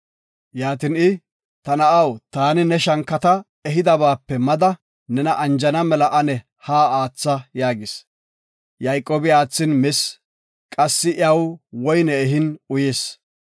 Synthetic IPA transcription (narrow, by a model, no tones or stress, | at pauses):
jaːt̪ɪnɪ | t̪ɐnɐʔɐwt̪aːnɪnɛʃɐŋkːɐt̪ɐ | ɛɦɪd̪ɐbaːpːɛmɐd̪ɐ | nɛnɐʔɐnd͡ʒɐnɐmɛlɐʔɐnɛ | haːaːt͡sːɐjaːɡɪs | jɐjkʼːoːbɪaːt͡sːɪnmɪs | kʼɐsːɪʔɐwwɔjnɛɛɦɪnʊjeːs